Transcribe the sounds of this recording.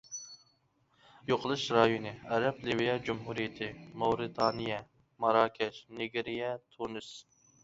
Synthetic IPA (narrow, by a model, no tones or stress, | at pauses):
joqʰəlˠɨʃɾɑjonɨɛɾɛplɪvijɛd͡ʒumɦuɾijɪt̪ʰɪmɑwɾɨt̪ʰɑːnijɛ | mɑɾɑːkʲʰɛʃnɪɡʲeɾijɛt̪ʰunɨs